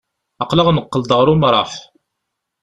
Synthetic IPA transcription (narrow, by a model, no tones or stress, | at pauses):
ɑqləʁməqːəld̪ʁɾumɾˤɑħ